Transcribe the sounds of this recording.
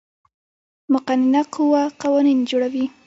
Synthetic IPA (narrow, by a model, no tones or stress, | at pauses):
mʊqaninaquwaqawanind͡ʒoɽawi